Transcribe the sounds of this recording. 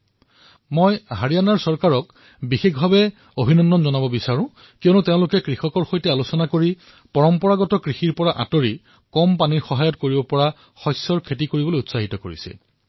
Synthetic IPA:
mojɦaɹijanaɹsɔɹkaɹɔk | bixekbʱabɛ | obʱinɔnːɔnzɔnabɔbisaɹʊ̃ | kijɔnuteʊ̃lʊkɛkɹixɔkɔɹxojtɛalusɔnakoɹi | pɔɹɔmpɔɹaɡɔtɔkɹixiɹpɔɹaʔa̰toɹi | kɔmpaniɹxɔɦajɔtkoɹibɔpɔɹa | xɔjsɔɹkʰet̬ikoɹibolojutsaɦitɔkoɹḭsḭ

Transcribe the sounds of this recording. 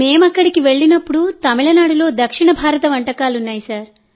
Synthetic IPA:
me̞ːmɐkːɐɽikiʋe̞ɭːinɐpːuɽut̪ɐmiɭɐnaːɽulo̞ːd̪ɐkʂiɳɐbʱaːɾɐt̪ɐʋɐɳʈɐkaːlunːaːjisaːɾ

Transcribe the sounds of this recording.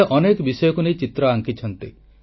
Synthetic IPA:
eʔɔnekɔbisɔjɔkunejt͡ʃit̪ɾɔaŋkit͡ʃʰɔnt̪i

